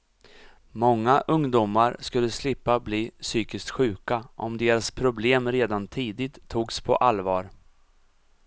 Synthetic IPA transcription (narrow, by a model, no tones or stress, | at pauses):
mɔŋːaʔɵŋd̪uːmaɾskɵlːəslɪpːabliːsyːkɪst̪ɧʉ̟ːkaʔɔ̰md̪eːɾaspʰɾʊbleːmɾeːd̪ant̪ʰiːd̪ɪt̪ʰːuːɡspʰɔ̰ʔalvɑːɾ